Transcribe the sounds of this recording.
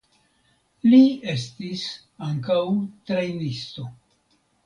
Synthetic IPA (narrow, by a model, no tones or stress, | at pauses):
lie̞stis | aŋkawtɾejnisto̞